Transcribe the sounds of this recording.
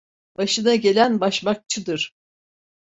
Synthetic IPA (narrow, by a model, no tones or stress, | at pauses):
baʃɯnaɟe̞lʲænbaʃmak̚t͡ʃʰɯd̪ɯɾ̥